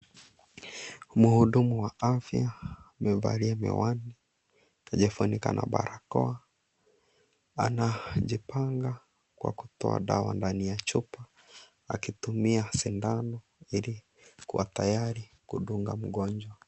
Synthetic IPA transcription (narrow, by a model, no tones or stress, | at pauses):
muhuɗumuwaafjamɛva̰ɾiamɛ̰wani | aʄɛfunikanʔa̰ɓaɾakɔa | a̰naʄipaŋɡa | kwa̰ku̥tɔa̰ɗawa̰ndanijat͡ʃupa | akitumiasindanɔ | ili | kuwatajaɾikuɗuŋɡam̩ɡɔɲd͡ʒwa